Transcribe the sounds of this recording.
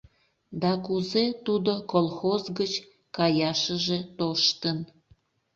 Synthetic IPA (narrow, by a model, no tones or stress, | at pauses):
d̪ɑkuzet̪ud̪okolˠxozɡət͡ɕ | kɑjɑʃəʒe̽t̪oʃt̪ən